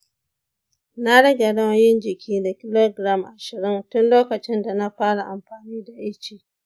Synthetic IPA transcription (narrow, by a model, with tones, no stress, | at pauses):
na˦ɽɐ˦ɡa˨ɽɐ˦wjɪ˦nd͡ʒɪ˨kʲʰiː˦da˨kʲɪ˦lo˦ɡɾa˦mʔa˨ʃɪ˨ɽɪ˦ntʊ˦nloː˦kɐ˨t͡ʃɪ˦nda˨na˦ɸaː˦ɽa˨ʔa˨mɸaː˨niː˦da˨ʔɪ˦t͡ʃiː˨